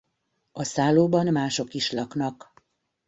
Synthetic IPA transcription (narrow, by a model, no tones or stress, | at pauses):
ɒsaːloːbɒnmaːʃo̞kiʃlɒknɒk